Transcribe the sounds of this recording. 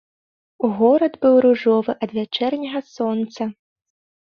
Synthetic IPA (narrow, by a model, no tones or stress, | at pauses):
uɣɔɾɐd̪bɨwɾuʐɔvɨʔɐd̪vʲat͡ʂɛrnʲɐɣɐsɔnt̪sɐ